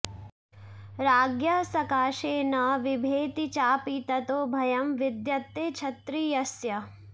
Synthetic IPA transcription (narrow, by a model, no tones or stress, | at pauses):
ɾaːɡjɐsɐkaːʃeːnɐʋɪbʱeːt̪it͡ʃaːpit̪ɐt̪oːbʱɐjɐmʋɪd̪jɐt̪ːeːt͡ʃʰɐt̪ɾiːjɐsjɐ